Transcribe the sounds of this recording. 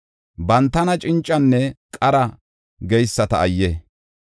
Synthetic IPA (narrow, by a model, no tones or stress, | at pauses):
bɐnt̪ːɐnɐt͡ʃʼɪnt͡ʃʼːɐnːɛkʼɐɾɐ | ɡɛjsːɐt̪ɐːjːɛ